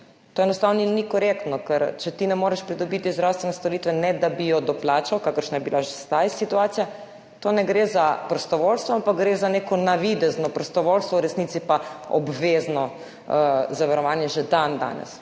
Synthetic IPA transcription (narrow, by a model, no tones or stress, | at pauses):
t̪oːɛnɔst̪aːwninikɔɾekt̪nɔkɛɾt͡ʃɛt̪inɛmoːɾɛʃpɾid̪ɔbit̪izd̪ɾawst̪ʋɛnɛst̪ɔɾit̪ʋɛnɛd̪abijɔd̪ɔplaːt͡ʃawkaːkəɾʃnajɛbilaʒest̪ajsit̪uaːt̪sija | t̪onɛɡɾezapɾɔst̪ɔʋolst̪ʋɔampakɡɾeːzanekɔnaʋid̪ɛznɔpɾɔst̪ɔʋolst̪ʋɔwɾɛsnit̪sipaɔ̰bʋeznɔ | zaʋaɾɔʋaːnjɛʒed̪and̪a̰ːnɛ̰s